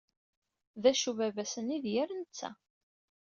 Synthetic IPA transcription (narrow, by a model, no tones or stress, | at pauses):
ðæʃuvævæsəniðjæɾnət͡sːæ̰